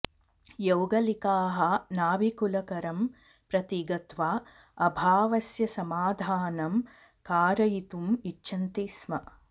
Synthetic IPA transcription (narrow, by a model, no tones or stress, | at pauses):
jɐwɡɐlikaːɦɐnaːbikulɐkɐɾɐm | pɾɐt̪iɡɐt̪ʋaː | ɐbʱaːʋɐsjɐsɐmaːd̪ʱaːnɐm | kaːɾɐjit̪umitːʃɐnt̪iːsmɐ